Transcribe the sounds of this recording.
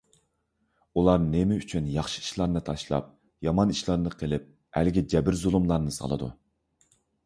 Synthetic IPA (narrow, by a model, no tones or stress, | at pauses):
ulˠɑɾnemɪyt͡ʃʰynjɑχʃi̥i̥ʃlˠɑɾnɨt̪ʰɑʃlˠɑ̰p̚ | jɑmɑniʃlˠɑɾnɨqʰəlɪp̚ | æ̰lɡʲid͡ʒɛbɪɾzulˠumlˠɑɾnɨsɑ̰lˠɨ̰d̪ṵ